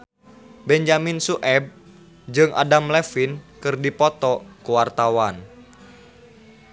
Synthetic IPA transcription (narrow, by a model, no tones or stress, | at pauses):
bɛɲd͡ʒaminsuʔɛb̚ | d͡ʒɨŋʔa̰damlɛfinkɨrdipɔt̪ɔkuwart̪awan